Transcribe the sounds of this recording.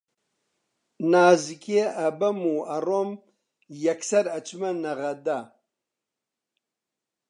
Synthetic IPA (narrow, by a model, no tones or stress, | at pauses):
naːzikʰeɐbɐmuːɐrom | jɐksɐɾɐt͡ʃmɐnɐɣɐd̪a